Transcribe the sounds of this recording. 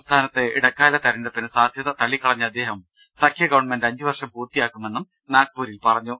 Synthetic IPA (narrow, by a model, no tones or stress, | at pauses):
st̪ʰaːnɐt̪ːɨḭɽɐkːaːlɐt̪ɐɾɐndepinɨsaːd̪ʱjɐðɐt̪ɐɭikːɐɭɐɲːɐɐd̪ːe̞ːɦɐm | sɐkʰjɐɡɐʋɐɳmendɐɲd͡ʑuʋɐrʂɐmpuːrt̪ijaːkːume̞nːum | naːk̚puːɾilpɐrɐɲːu